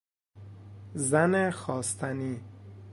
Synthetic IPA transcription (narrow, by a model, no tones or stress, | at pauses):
zænexɒːst̪ʰæni